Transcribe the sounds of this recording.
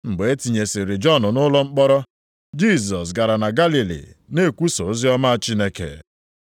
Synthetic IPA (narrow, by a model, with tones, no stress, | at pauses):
ŋ͡m̩˨ɡ͡be˨e˦ti˨ɲe˨sɪ˨ɾɪ˨d͡ʒɔ˦˨nʊ˨nʊ˦lɔ˦ŋ͡m̩˦k͡pɔ˦ɾɔ˦ | d͡ʒi˦˨s̬ɔ˨s̬ɡa˨ɾa˨na˨ɡa˦li˨lḭ˨ne˦˨kʷu˦so˨˦zi˦ɔ˦ma˦a˦t͡ʃi˦ne˦kḛ˨